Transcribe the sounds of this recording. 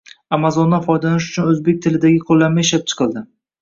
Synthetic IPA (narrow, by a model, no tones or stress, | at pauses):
amazɒnd̪ːafɒjd̪anɪʃ̬ʊ̥t͡ʃʰʊnɵzbe̞k̚ʲt̪ʰɪlɪd̪aɡʲɪqʰolˠːanmaɪʃlap̚t͡ʃʰɨ̥qʰɨlˠd̪ɪ